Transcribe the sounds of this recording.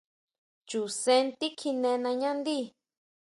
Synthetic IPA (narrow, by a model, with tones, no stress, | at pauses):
t͡ʃu˨sẽ˧nt̪i˦kʰi˧nẽ˧nã˧ɲã˦nd̪i˦